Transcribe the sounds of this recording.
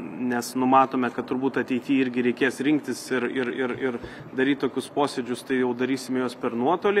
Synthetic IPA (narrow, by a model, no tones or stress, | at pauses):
nʲɛsnʊmɑːt̪oːmʲɛkɐt̪t̪ʊɾbuːt̪ɐt̪ʲɛɪt̪ʲiːɪɾʲɡʲɪɾʲɛɪkʲeːsɾʲɪŋk̚t̪ʲɪsɪɾɪɾɪɾɪɾ | d̪ɐɾʲiːt̪t̪oːkʲʊspoːsʲed͡ʒʲʊst̪ɐɪjɛʊd̪ɐɾʲiːsʲɪmʲɛjoːspʲɛɾnuɔt̪oːlʲɪ